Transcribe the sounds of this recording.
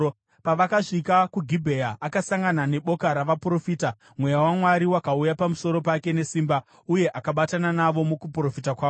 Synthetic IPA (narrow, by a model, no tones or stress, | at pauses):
paʋakaʂikakuɡʱibʱe̞jaʔakasaŋɡanane̞ɓo̞kaɾaʋapuro̞fiːta | mwe̞jawamwaɾiwakaujapamuso̞ɾo̞pake̞ne̞siːmba | uje̞ʔakaɓatananaʋo̞mukupro̞fitakwaːo